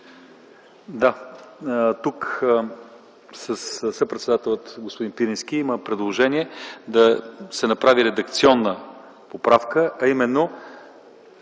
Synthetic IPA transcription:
d̪a | t̪uk | səssəpɾɛt̪sɛd̪at̪ɛlʲˠət̪ɡospod̪inpiɾinskiiməpɾɛd̪lˠoʒɛniɛd̪ɐsɛnɐpɾaviɾɛd̪ɐk̚t̪siɔnːə | popɾafkəʔɐimɛnːo

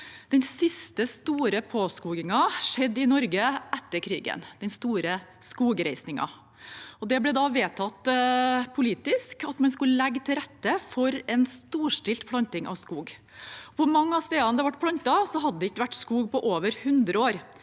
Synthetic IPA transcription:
d̪̥ɛnsɪst̪əst̪uːɾəpʰoːskuːɡɪŋɑʂɛd̪ːɪnɔɾɡəʔɛt̪ːəɾkʰɾḭːɡə̰nd̪̥ɛnst̪uːɾəskuːɡɾæɪsnɪŋɑ̰ | ɔd̪ɛblɛd̪ɑʋeːt̪ʰɑt̪ːpʰʊliːt̪ɪskɑt̪mɑnskʉllɛɡːt̪ʰɪlɾɛt̪ːəfɔɾɛnst̪uːʂʈɪlt̪pʰlɑnt̪ɪŋʔɑ̰ʋskuːɡ | ɔpʰɔmɑŋːəɑst̪eːd̪ɑnd̪ɛʋɑʈːpʰlɑnt̪ɑsɔɦɑd̪ːəd̪ɛɪçːəʋæʈːskuːɡpʰɔʔoːʋəɾhʉnd̪ɾəoːɾ

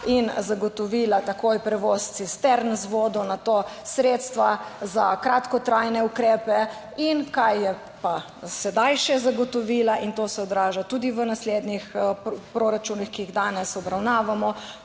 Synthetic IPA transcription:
inzaɡɔt̪ɔʋiːlat̪akojpɾɛʋost̪sist̪ɛɾnzʋoːd̪ɔnat̪osɾeːt̪st̪ʋazakɾat̪kɔt̪ɾajnɛukɾeːpɛ | inkajːɛ | pa | sɛd̪ajʃɛzaɡɔt̪ɔʋiːlaʔint̪oːsɛɔd̪ɾaːʒat̪uːd̪iʋənasled̪nixpɾoɾat͡ʃunixkiiɣd̪aːnɛsɔbɾawnaːʋamɔ

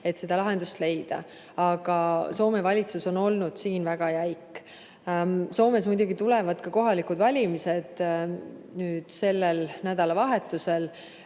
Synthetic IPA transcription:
e̞t̪se̞d̪ɑlɑɦe̞nd̪̥ust̪le̞jd̪̥ɑ̰ | ɑɡ̥ɑso̞ːme̞vɑlʲit̪suso̞no̞lnud̪̥siːnvæɡ̥ɑjæjkː | so̞ːme̞s̬mujd̪̥ʲuɡit̪ulɛvɑd̪̥kɑko̞ɦɑlikud̪vɑlʲimise̞d̪̥ | nyːd̪̥se̞lːelnæd̪̥ɑlɑvɑɦet̪ːˑuse̞l

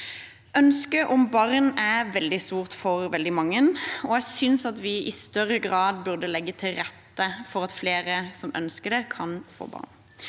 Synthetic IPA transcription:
ʔœnskəʔɔmbɑʁnæʋɛld̪ɪst̪uːʁt̪fɔʁʋɛld̪ɪmɑŋːənɔæsʏnsɑt̪ʋɪʔɪst̪œʁːəɡʁɑːd̪bʉʁd̪əlɛɡːət̪ʰɪlɾɛt̪ːəfɔʁɑt̪fleːʁəsɔmœ̰nskəd̪ɛkʰɑnfo̰ːbɑ̰ːʁn

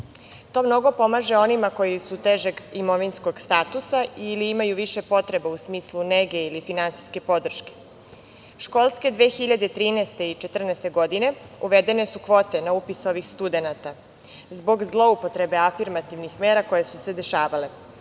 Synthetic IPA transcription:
t̪o̞ːmno̞ɡo̞po̞maʒe̞o̞nimako̞jisut̪eʒeɡimo̞ʋinsko̞ɡst̪aːt̪usailiimajuʋiʃe̞po̞t̪ɾe̞bausmiːslˠuneɡe̞ilifinant̪si̥ske̞po̞d̪r̩ʃke̥ | ʃko̞lˠske̞d̪ʋeːxiʎad̪et̪ɾiːnɛst̪e̞it͡ʃe̞t̪r̩nɛst̪e̞ɡo̞d̪ine̞ | uʋe̞d̪e̞ne̞sukʋo̞ːt̪e̞naupiso̞ʋixst̪ud̪e̞nat̪a | zbo̞ɡzlˠo̞upo̞t̪ɾe̞be̞afiɾmat̪iʋnixme̞ːɾako̞jesuse̞d̪e̞ʃaːʋale̞

